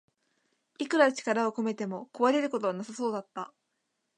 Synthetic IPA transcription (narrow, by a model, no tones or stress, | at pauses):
ikɯ̟ɾat͡ɕi̥kaɾao̞ko̞me̞t̪e̞mo̞koβaɾe̞ɾɯ̟ko̞t̪o̞βanasaso̞ːd̪at̪ːa